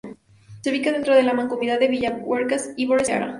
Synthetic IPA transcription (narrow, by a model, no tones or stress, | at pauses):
seβikaðent̪ɾoðe̞lamãŋkomiðaðeβiʝaweɾkesiβoɾesa̰ɾa̰